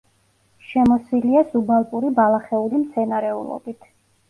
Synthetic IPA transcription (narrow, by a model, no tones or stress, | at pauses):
ʃɛmɔswiliasubalˠpʼuɾibalˠaχɛulimt̪sʰɛnaɾɛṵlˠɔ̰bit̪ʰ